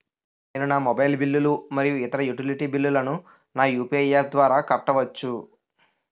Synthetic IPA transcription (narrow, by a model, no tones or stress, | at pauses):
neːnunaːmɔbɐjlbilːulumɐɾijuɪt̪ɐɾɐjuʈiliʈiːbilːulɐnu | naːjuːpiɐjaːɾd̪ʋaːɾaːkɐʈːɐʋɐt͡ʃːu